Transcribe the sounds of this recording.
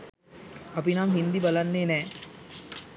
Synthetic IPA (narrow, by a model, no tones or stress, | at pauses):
ɐpinamɦind̪ibalanːeːnɛː